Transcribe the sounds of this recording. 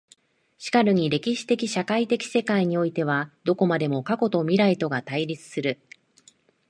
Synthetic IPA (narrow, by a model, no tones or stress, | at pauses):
ɕi̥kaɾɯ̟ɲ̟iɾe̞kʲiɕi̥t̪e̞kʲiɕakait̪e̞kʲi̥se̞kaiɲ̟io̞it̪e̞β̞ad̪̥o̞ko̞mad̪e̞mo̞kako̞t̪o̞mʲiɾait̪o̞ɡat̪aiɾʲit͡sɨ̥sɨɾɯ̟